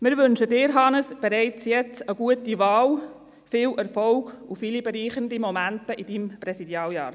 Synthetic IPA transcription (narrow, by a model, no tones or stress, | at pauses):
mɪɾʋʏnʃədɪːɾɦɑnəsb̥ɛɾɛɪt͡sjɛt͡səɡuətiʋɑːl | fɪːlʔɛɾfɔlɡ̥ufilibɛɾiːχəndimɔmæntəʔid̥imprɛsidjɑːljɑ̰ːɾ